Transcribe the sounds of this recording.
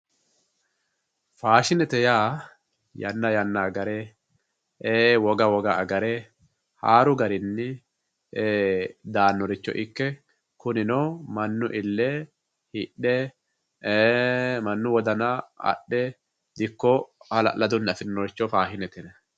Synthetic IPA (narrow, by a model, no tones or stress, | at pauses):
faːʃɪnɛt̪ɛjaː | jɐnːɐjɐnːaɡɐɾe | ʔeːwɔɡɐwɔɡɐɐɡɐɾɛ | ha̰ːɾʊɡɐɾɪnːɪ | eːd̪aːnːɔɾɪt͡ʃːɔ̰ʔɪkːɛ | kʊnɪnoːmɐnːʊʔɪlːɛ | hɪɗːɛ | mɐnːʊwɔd̪ɐnaɐ̰ɗːɛ | d̪ɪkːɔɐlɐ̰ʔlɐd̪ʊnːɐfɪnːɔɾɪt͡ʃːɔfaːʃɪnɛt̪ɛnɛ